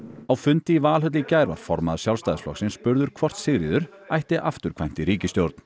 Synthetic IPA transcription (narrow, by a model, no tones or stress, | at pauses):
awfʏnt̪ɪivaːlɦœt̪̬lɪcaːjɾva̰ɾ̥fɔɾmaðḁsjawlst̪ajðɪsflɔ̰xsɪnspʏɾðʏɾ̥kʰvɔr̥t̪sɪɣɾɪðʏɾ̥ | ajht̪ɪʔaft̪ʏɾ̥kʰvajm̥t̪ɪɾiːcɪst̪jowɾt̪n̥